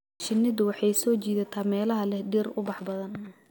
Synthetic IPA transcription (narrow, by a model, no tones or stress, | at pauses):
ʃɪnːɪðʊwɑħɑjsɔːt͡ʃiːðɐt̪ʰaːmɛːlɐɦɐlɛhɖirʊbɑħbɐðɐn